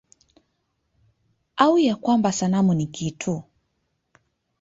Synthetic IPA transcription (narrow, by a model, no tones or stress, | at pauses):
aujakwambasanamunikitʰu